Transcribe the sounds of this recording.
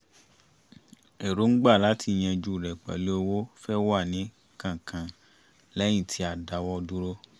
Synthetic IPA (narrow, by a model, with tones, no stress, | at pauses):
e˨ɾo˨˦ŋ̩˦ɡ͡ba˦˨la˨˦tʰi˧˨j̃ɛ̃˧d͡ʒu˦˨ɾɛ˨k͡pa̰˨le˨˦o˧wo˦fɛ˦wa˦˨nĩ˨˦ | kã˨kã˨ | lɛ˦j̃ĩ˦˨tʰi˧˦a˨da˨wɔ˧du˦ɾo˦